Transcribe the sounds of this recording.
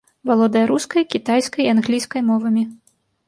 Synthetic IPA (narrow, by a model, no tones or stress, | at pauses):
valˠɔd̪ɐjɐɾuskɐjkʲit̪ajskɐjanɣlʲijskɐjmɔvɐmʲi